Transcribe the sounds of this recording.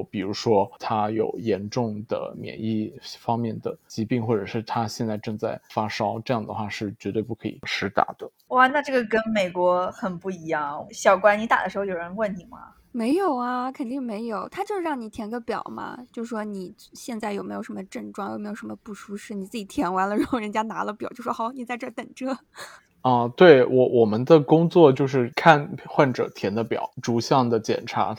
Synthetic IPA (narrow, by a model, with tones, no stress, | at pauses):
pi˨˩ɻu˧˥ʂwɔ˥t̪ʰa˥jo˨˩ʊjɛ˧˥nʈ͡ʂʊ˥˩ŋd̪ə̰˩mjɛ̰˨˩ni˥˩fɑ˥ŋmjɛ˥˩nd̪ə̰˩t͡ɕi˧˥pi˥˧ŋxwɔ˥˩ʈ͡ʂɤ˨˩ʂɻ̩˥˩t̪ʰa˥ɕjɛ˥˧nt͡sa˥˧ɪʈ͡ʂɤ˥˧ŋt͡sa˥˩ɪfa˥ʂɑ˥ʊʈ͡ʂɤ˥˧jɑ˥˩ŋd̪ə˩xwa˥˧ʂɻ̩˥˩t͡ɕɥɛ˧˥t̪we˥˧ɪpu˥˩kʰɤ˧˥ḭ˨˩ʂɻ̩˧˥t̪a̰˨˩˦d̪̥ə˦ | wa˥˧na˥˧ʈ͡ʂɤ˥˩ɡə˩kə˥nme˨˩ɪkwɔ˧˥xə˨˩npu˥˩i˧˥jɑ˥˩ŋɕjɑ˨˩ʊkwa˥nni˧˥t̪a̰˨˩d̪ə˦ʂɻ̩˧˥xo˥˧jo˨˩ɻə˧˥nwə˥˩nt̪i˨˩mɐ̰˩ | me˧˥ɪjo˨˩ʊɐ˦kʰə˨˩nt̪i˥˩ŋme˧˥ɪjo˨˩˦ʊt̪ʰa˥t͡ɕjo˥˧ʊʂɻ̩˥˧ɻɑ˥˩ŋni˨˩t̪ʰjɛ˧˥nɡə˧˥˩pjɑ̰˨˩ʊmɐ̰˧t͡ɕjo˥˧ʊʂɻ̩˥˩ʂwɔ˥ni˨˩ɕjɛ˥˧nt͡sa˥˩ɪjo˨˩me˧˥jo˨˩ʂə˧˥mə˧ʈ͡ʂə˥˧ŋʈ͡ʂwɑ˥˧ŋjo̰˨˩me˥jo˨˩ʂmə˧pu˥˩ʂu˥ʂɻ̩˥˩ni˨˩t͡sɹ̩˥˩t͡ɕi˨˩t̪ʰjɛ˧˥nwa˧˥nlə˧ɻə˧˥nʰo˨˩ɻə˧˥nt͡ɕja˥na˧˥lə˧pjt͡ɕjo˥˧ʊ˩ʂwɔ˥xʊni˨˩t͡sa˥˧ɪʈ͡ʂɤ˥˩t̪ə˨˩ŋʈ͡ʂɤ˥ | ə˥˧t̪we˥˩ɪwʔɔ˧˩wʔɔ˨˩mə˦nd̪ə˨kʊ˥ŋt͡swɔ˥˧t͡ɕjo˥˧ʊʂɻ̩˥˧kʰa˥˧nxwa˥˩nʈ͡ʂɤ̰˨˩t̪ʰjɛ˧˥nd̪ə˧pjɑ̰˨˩˦ʊʈ͡ʂu˧˥ɕjɑ˥˩ŋd̪ə˩t͡ɕjɛ̰˨˩nʈ͡ʂʰa̰˧˥